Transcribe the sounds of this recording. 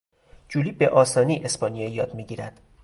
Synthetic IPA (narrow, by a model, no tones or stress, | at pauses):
d͡ʒuliːbeʔɒːsɒːniːʔe̞spɒnijɒjɒːd̪miːɟiːɾæd̪̥